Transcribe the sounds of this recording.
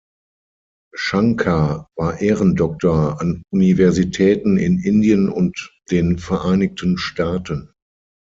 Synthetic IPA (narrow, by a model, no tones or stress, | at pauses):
ʃaŋkʰavaːɐʔeːʁəndɔk̚toɐanʔunivɛɐzitʰɛːtn̩ɪ̰nʔɪndijənʊntd̥eːnfɛɐʔaɪnɪk̚tʰən̩ʃtaːtʰən